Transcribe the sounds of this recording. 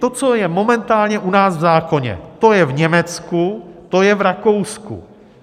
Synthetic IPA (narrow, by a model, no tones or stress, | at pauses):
t̪o̞t͡so̞jɛmo̞mɛnt̪aːlɲɛʔunaːsvzaːko̞ɲɛ̰t̪o̞jɛvɲɛmɛt͡skut̪o̞jɛvɾako̞wskṵ